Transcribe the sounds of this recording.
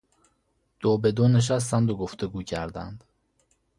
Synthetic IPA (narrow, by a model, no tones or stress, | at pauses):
d̪̥oːbe̞d̪oneʃ̬æs̬t̪ænb̪oɡoft̪eɡuːcʰæɾd̪æ̰nd̪̥